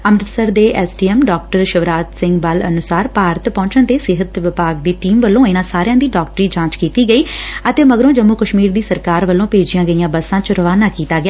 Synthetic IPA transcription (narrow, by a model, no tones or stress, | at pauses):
əmɾɪt̪səɾd̪eːʔɛːsʈiːɛːmɖɔːkʈəɾʃəʋɾaːt̪sɪ̃ŋɡbələ̰nʊsaːɾpaːɾət̪pɔ̃ːɲt͡ʃənt̪eːsɪɦət̪ʋɪpaːɡ̚d̪iːʈiːmʋəlːõːɪnãːsaːɾjãːd̪iːɖɔːk̚ʈɾiːd͡ʒãːt͡ʃkiːt̪iːɡəiːət̪eːməɡɾõːd͡ʒəmːukəʃmiːɾd̪iːsəɾkaːɾʋəlːõːpeːd͡ʒɪjãːɡəijãːbəsãːt͡ʃɾəʋaːnaːkiːt̪aːɡɪaː